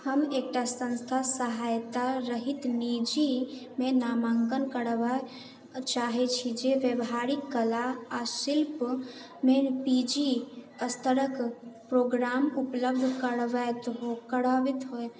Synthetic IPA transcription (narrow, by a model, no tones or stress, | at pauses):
həmek̚ʈasə̃nst̪ʰasəɦajt̪aɾəɦit̪nid͡ʒimenamaŋkənkəɽʋa | t͡ʃaɦɛt͡ʃʰid͡ʒeʋjəbɦaɾikːəlaasilp | mepid͡ʒiəst̪ʰəɾəkpɾoɡɾamupləbd̪ʱkəɽʋɛt̪ɦokəɽaʋit̪ɦoj